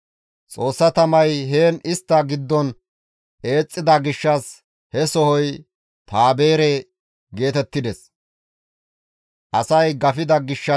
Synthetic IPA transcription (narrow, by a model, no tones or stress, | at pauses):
t͡sʼo̞ːsːɐt̪ɐmɐjɦeːnɪst̪ːɐɡɪd̪ːɔn | e̞ːt͡sʼːɪd̪ɐɡɪʃːɐs | hɛsɔhɔj | t̪aːbe̞ːɾɛ | ɡe̞ːt̪ɛt̪ːɪd̪ɛs | ʔɐsɐjɡɐfɪd̪ɐɡɪʃːɐ